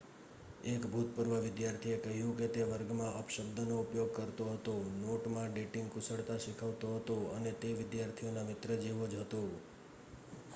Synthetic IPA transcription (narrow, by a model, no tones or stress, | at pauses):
ekbʱut̪̚pəɾʋəʋɪd̪jaɾt̪ʰiekəɦjũket̪eʋəɾɡmãʔəpʃəbd̪ʱənoupjoɡ̚kəɾt̪oɦət̪onoʈmãɖeʈɪ̃ŋɡkʊsəɽt̪aʃɪkʰəʋt̪oɦət̪õənet̪eʋɪd̪jaɾt̪ʰijonamɪt̪ɾəd͡ʒeʋod͡ʒɦət̪õ